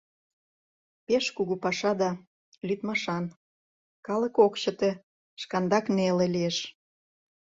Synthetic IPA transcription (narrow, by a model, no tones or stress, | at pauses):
peʃkuɣupɑʃɑd̪ɑ | lyt̪mɑʃɑn | kɑlə̆kokɕə̆t̪ĕ | ʃkɑnd̪ɑknelĕlieʃ